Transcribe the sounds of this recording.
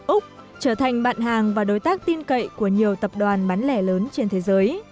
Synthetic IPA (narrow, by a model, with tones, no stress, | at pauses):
ʔʊ˦˥k͡p̚ | t͡ɕəː˧˩t̪ʰa˨˩jŋ̟ɓa̰ː˧˨nɦaː˨˩ŋvaː˨˩ɗo˨˦jt̪aː˦˥k̚t̪i˧nkə̰˧˨jku˧˩əɲi˨˩əwt̪ə˨˩p̚ɗwaː˨˩nɓaː˨˦nlɛ˧˩ləː˨˦nt͡ɕe˧nt̪ʰe˨˦zəː˨˦j